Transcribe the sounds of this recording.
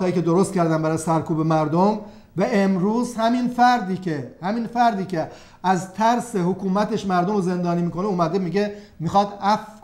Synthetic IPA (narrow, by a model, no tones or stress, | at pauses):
ɒːiːce̞d̪oɾost̪kcʰæɾd̪æmbæɾɒjsæɾkʰuːbemæɾd̪om | væemɾuːzhæminfæɾd̪iːkʰehæmiːnfæɾd̪iːcʲʰe | æzt̪ʰæɾse̞hokʰuːmæt̪ʰe̞ʃmæɾd̪o̞moze̞nd̪ɒːniːmiːko̞neuːmæd̪emiɟe̞mixɒːd̪æf